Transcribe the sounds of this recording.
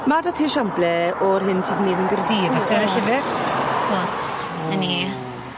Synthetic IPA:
madatʰiːʃamblɛɔrɦɪntʰiːdniːdənɡərdiːvasɛɾɛɬɪvɪɡθɔs | əni

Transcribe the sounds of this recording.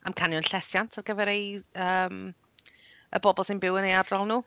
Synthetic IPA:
amkʰanjɔnɬɛsjantʰarɡəvɛɾejəːm | ə̰bɔbɔlˠsɪnbɪwənejardalˠnuː

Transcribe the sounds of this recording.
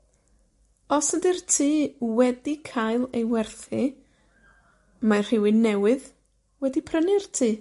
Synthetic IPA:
ɔsədirtʰiːwɛdikʰajlˠejwɛrθi | mḁr̥ɪwɨnɛwɨð | wɛdipʰrənɪrtʰiː

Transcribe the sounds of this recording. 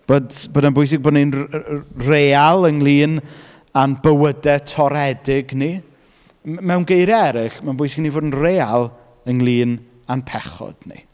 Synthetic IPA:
b̥oːdboːdmanbʊjs̬ɪɡboːdnin | reːalˠəŋlˠiːn | anbəwədɛtʰɔɾɛdɪɡni | mɛwnɡejɾɛɾɪχmanbʊjsɪɡnivoːdən̩reːalˠ | əŋlˠiːn | anpʰɛχɔ̰d̥nḭ

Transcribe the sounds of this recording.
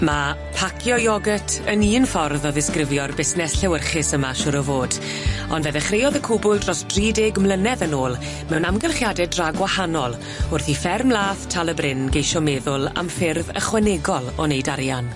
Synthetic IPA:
ma | pʰakʰjɔjɔɡətʰəniːnfɔrðɔðɪskrɪvjɔrbɪsnɛsɬɛwərχɪsəmaʃʊɾɔvoːd̥ | ɔndvɛðɛχrejɔðəkʰʊbʊlˠdrɔsd̥riːdeɡmlˠənɛðənoːlˠ | mɛwnamɡəlˠχjadɛdraɡwahanɔlˠ | ʊrθifɛrmlˠaːθtʰalˠəbrɪnɡejʃɔmɛðʊlˠa̰mfɪrvə̰χwɛnɛɡɔlˠɔnejdaɾjan

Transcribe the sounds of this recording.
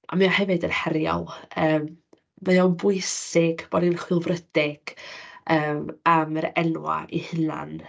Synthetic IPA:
ʔa̰miahɛvɨdənhɛɾjɔ̰lˠəːm | məɔnbʊɨsɪɡ̥b̥ɔdinχwɪlˠvrədɪɡ̥əːmaməɾɛnwa̰ʔḭhɨna̰n

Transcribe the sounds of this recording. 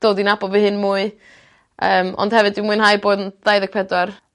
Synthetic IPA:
d̥oːdinabɔvihɨnmuːɨ | əːmɔ̰nd̥hɛvɨdɪmuːɨnɦajboːdnðajðəɡk̚pʰɛdwar

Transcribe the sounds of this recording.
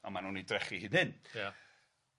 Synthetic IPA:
ɔmanuːnidrɛχihɪnɪnja

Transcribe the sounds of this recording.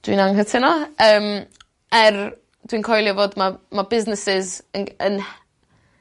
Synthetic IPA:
d̥wḭːnaŋɦətʰɪnɔəːm | ɛr | d̥wiːnkʰɔjlˠjɪvoːdmamabɪznɪsɪzənən

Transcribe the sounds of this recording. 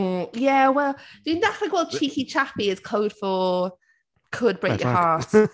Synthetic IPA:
jɛwɛlˠd̥ə̃ndaklaɪkwɛl̚ˠt͡ʃʰiːˑkit͡ʃʰapiɪz̥kʰoʊd̥fɔlˠ | kʰəd̚bɹeɪkjəhɑːˑt

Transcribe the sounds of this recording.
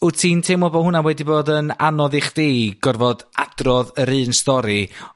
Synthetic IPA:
ʊtʰiːntʰemɔbɔhʊnawɛdiboːdəna̰nɔðɪχd̥iːɡ̥ɔrvɔdad̥rɔðəɾɨːnstɔɾi

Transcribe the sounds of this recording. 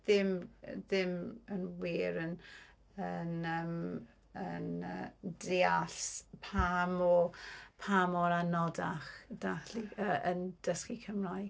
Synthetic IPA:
ðɪmðɪmənwiːɾən | ənəm | ənə̰deːaɬpʰamɔpʰamɔɾanɔdaχd̥aχliəʔənd̥əskikʰəmraj

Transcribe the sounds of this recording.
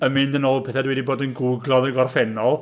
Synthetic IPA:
əmɨndənolˠpʰɛθɛdwɛdiboːdənɡʊɡlˠɔðəɡɔrfɛnɔlˠ

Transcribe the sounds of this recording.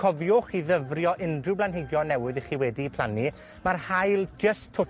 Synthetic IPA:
ɔvjʊχiðəvrjɔʔɪndrɪwblanɦɪɡjɔnɛwɨðiχiːwɛdipʰl̥ˠani | marhajlˠd͡ʒəstʰʊ

